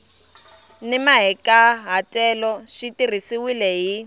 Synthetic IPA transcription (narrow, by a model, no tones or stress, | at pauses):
nɛmaɦɛkʼaɦatʼɛlɔʂitir̤isiwilɛɦi